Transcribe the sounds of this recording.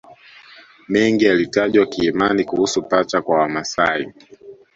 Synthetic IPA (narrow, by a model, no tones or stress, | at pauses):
mɛŋɡialitaʄwakiːmanikuhusupat͡ʃakwawamasaḭ